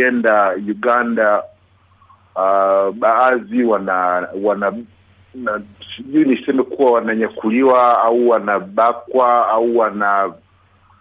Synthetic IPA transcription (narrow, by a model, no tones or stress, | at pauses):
ɛndajuɡanda | ɓaaːziwanawana | nasiʄuwinisɛmɛkuwawanaɲakuliwaauwanaɓakwaauwana